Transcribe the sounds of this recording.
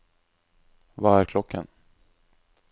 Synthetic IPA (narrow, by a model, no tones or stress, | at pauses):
vaæɾkʰlɔkʰːə̰n